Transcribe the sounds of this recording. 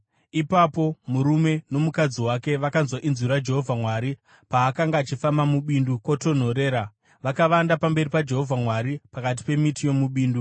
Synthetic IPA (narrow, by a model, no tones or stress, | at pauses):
ipapo̞muɾume̞no̞mukad͡ziwake̞ʋakanzwaʔinziɾad͡ʒe̞ɦo̞vʱamwaɾi | paːkaŋɡaːt͡ʃifamamuɓindukwoto̞n̤o̞ɾe̞ːɾa | ʋakaʋandapambe̞ɾipad͡ʒe̞ɦo̞vʱamwaɾipakat̬i̥pe̞mitijo̞muɓiːndu